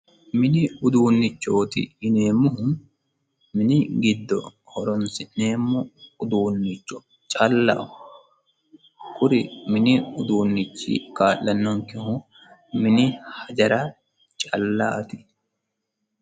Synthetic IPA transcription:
mɪnɪʊd̪uːnːɪt͡ʃːoːt̪ɪ̰ɪne̞ːmːʊhʊ | mɪnɪɡɪd̪ːɔ | hɔɾɔnsɪnːeːmːɔʊd̪uːnːɪt͡ʃːɔ | t͡ʃʼɐlːɐ̰ʔʊ | kʊɾɪmɪnɪʊd̪uːnːɪt͡ʃːḭkaːlːɐnːɔŋkɪhʊ | mɪnɪhɐd͡ʒɐɾɐ | t͡ʃʼɐ̰lːa̰ːt̪ɪ̥

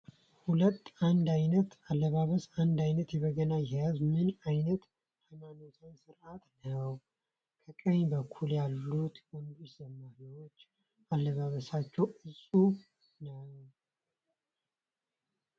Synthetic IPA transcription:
hulət̪ːand̪ajnət̪alːəβaβəsand̪ajnət̪jɛβəɡənajhɛjazmɨnajnət̪ | hajmano̞t̪ʰansɨɾʔat̪nəw | kʰəkʼəɲbəkʰːuljalːut̪wɔnd̪uʃsəmːaɾiwot͡ʃː | ʔalːəβaβəsat͡ʃːɛwɨsʼu | nəw

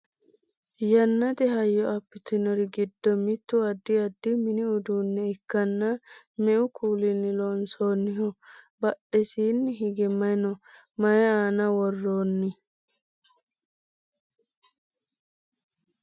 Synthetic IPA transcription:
jɐnːɐt̪ɛɦɐjːɔɐpːɪt̪ɪnɔɾɪɡɪd̪ːɔmɪt̪ːʊɐd̪ːɪɐd̪ːɪmɪnɪʊd̪uːnːɛɪkːɐnːɐ | mɛʔʊkʰuːlɪnːɪlonsoːnːɪɦɔ | bɐɗɛsiːnːɪɦɪɡɛmɐnɔ | mɐjɛaːnɐwɔrːoːnːɪ

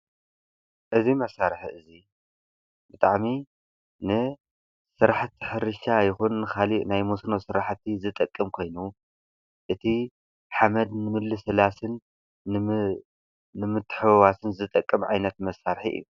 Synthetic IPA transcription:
ʔɨzimɐsːaɾħiʔɨzi | bɨt̪ʼaʕmi | nɨ | sɨɾaħt̪ʰːi̥ħɨɾɨʃajɪxunːɨkʰalinajmosnosɨɾaħt̪ʰːizɨt̪ʼɐkʼːɨmkʰo̞jnu | ʔɨt̪ʰi | ħamɐd̪nɨmɨlːɨsɨlasɨn | nɨmɨt̪ʰːɨ̥ħɨβwasɨnzɨt̪ʼɐkʼːɨmʕajnɐt̪mɐsaɾħḭʔɨ̰jːu

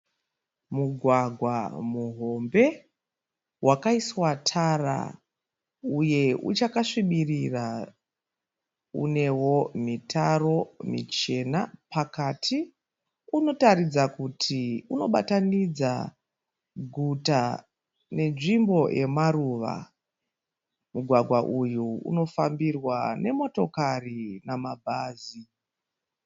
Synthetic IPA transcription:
muɡʱwaɡʱwa̰muɦo̞mbe̞ | wakaiswatʰara̰ | uje̞ṵt͡ʃakaʂiɓirira | ṵne̞wo̞mitaro̞mḭt͡ʃe̞napakatʰi | uno̞tarid͡zakutʰiuno̞ɓa̰tanid͡za̰ | ɡʱuta | ne̞nʐimbo̞jʔe̞̰maruʋa̰ | muɡʱwaɡʱwaʔujuṵno̞fambirwane̞mo̞to̞karinamabʱaːzi

